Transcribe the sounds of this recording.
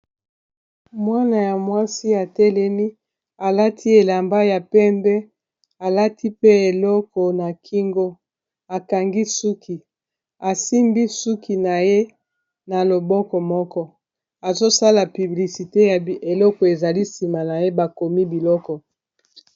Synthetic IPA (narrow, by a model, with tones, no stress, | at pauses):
mwa˦na˨ja˨mwa˦si˦a˨tɛ˦lɛ˦mi˦ | a˨la˦tʰi˦e˨la˨mba˦ja˨pɛ˦mbɛ˦ | a˨la˦tʰi˦pe˦e˨lɔ˦kɔ˨na˨kʰi˦ŋɡo˦ | a˨ka˨ŋɡi˦su˦kʰi˨ | a˨si˦mbi˦su˦ki˨na˨je˦ | na˨lo˨bɔ˦kɔ˨mɔ˦kɔ˦ | a˨zo˦sa˦la˨py˨bli˨si˨te˦ja˨e˨lɔ˦kɔ˨e˨za˨li˦si˨ma˨na˨je˦ba˨ko˨mi˦bi˨lɔ˦kɔ˨